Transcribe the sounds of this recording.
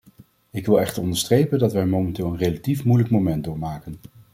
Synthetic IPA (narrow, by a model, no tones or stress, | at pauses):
ɪkʋɪlˠɛχtəɹɔndəɹstrejpəndɑtʋɛmowmɛntɪːlˠənrejlatifmujləkmomɛndʊːɹmaːkən